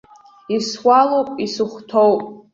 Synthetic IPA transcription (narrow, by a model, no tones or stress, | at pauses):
iswalowpʼisɨχʷtʰowpʼ